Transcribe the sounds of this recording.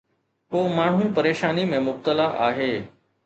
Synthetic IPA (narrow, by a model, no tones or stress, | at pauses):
koːmaːɳ̤̃ũpɐɾeːʃaːnimẽmʊb̚t̪əlaʔa̰ːɦeː